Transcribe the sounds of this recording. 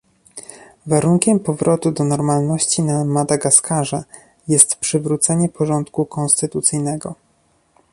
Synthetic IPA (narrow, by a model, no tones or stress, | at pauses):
vaɾuŋkʲɛmpɔvɾʔɔt̪ud̪ɔnɔɾmalnɔɕt͡ɕinamad̪aɡaskaʐa | jɛst̪pʂɘvɾut̪sɛɲɛpɔʐɔnt̪kukɔnst̪ɘt̪ut̪sɘjnɛɡɔ